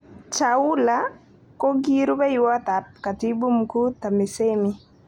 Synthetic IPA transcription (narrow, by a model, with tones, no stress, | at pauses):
t͡ʃa˨ʊ˦la˦ | ko˦ɡi˦ɾu˦bɛ˦jʊwa˦ta˨p̚ka˨ti˦bu˦mku˦ta˨me˨se˦mi˦